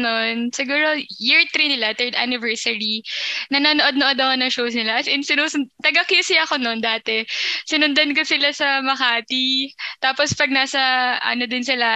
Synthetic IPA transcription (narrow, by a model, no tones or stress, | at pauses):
nonsɪɡuːɾo̞jɪɹt̪ɾinɪlat̪ɛɹd̪a̰nɪvɛɹsɐɹinɐnanoʔo̞d̪̚noʔo̞d̪ɐkonɐŋʃowsnɪlaʔɐsɪnsɪnost̪ɐɡɐkɪosɪɐko̞no̞nd̪aːt̪ɛsɪnʊnd̪ɐnkosɪlasɐmɐkaːt̪it̪aːpospɐɡ̚naːsɐʔɐ̰no̞d̪ɪnsɪla